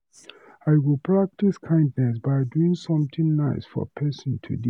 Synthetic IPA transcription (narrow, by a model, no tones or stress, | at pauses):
aɪwilpʰɹak̚tiskʰãɪ̃ndnɛsbaɪduĩŋsɔ̃mt̪ɪ̃ŋnaɪsfɔ̰pʰɛsɔ̃ntʰṵdi